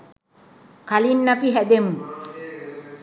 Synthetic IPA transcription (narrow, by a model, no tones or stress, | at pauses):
kalinːapiɦæd̪emu